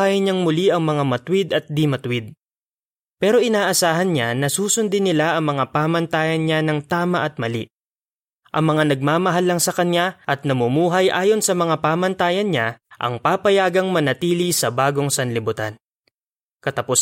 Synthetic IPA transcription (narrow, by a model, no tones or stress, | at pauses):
ajɪɲaŋmʊliʔɐŋmɐŋamɐt̪wɪd̪ɐt̪̚d̪ɪmɐt̪wɪd̪̚ | pɛːɾo̞ʔɪnaːʔɐsaːɦɐnɲanɐsuːsʊnd̪ɪnɪlaʔɐŋmɐŋapaːmɐnt̪aːjɐnɲanɐŋt̪aːmɐʔɐt̪̚mɐliʔ | ʔɐ̰ŋmɐŋanɐɡ̚maːmɐɦalːɐŋsɐkɐnjaʔɐt̪̚nɐmʊmuːɦɐjʔaːjo̞nsɐmɐŋapaːmɐnt̪aːjɐnɲaʔɐ̰ŋpaːpɐjaːɡɐŋmɐnɐt̪iːlisɐbaːɡo̞ŋsɐnlɪbʊt̪an | kɐt̪ɐpʊ